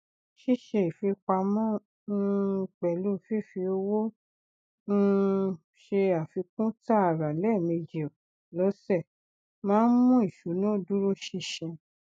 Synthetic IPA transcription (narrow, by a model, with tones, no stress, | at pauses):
ʃi˦˨ʃɛ˧i˨fi˧k͡pa˧mɔ̃˦ | ñ̩˧k͡pɛ˨lu˦fi˦˨fi˧o˧wo˦ | n̩˦˧ | ʃe˧a˨fi˧kũ˦ta˦a˦˨ɾa˨lɛ˦˨mĩ˧d͡ʒi˨ɔ˨ | lɔ˨˦sɛ˦˨ | mãː˦mũ˦i˦˨ʃu˨˦nũ˦˨du˦ɾo˦ʃi˦˧ʃɛ̃˧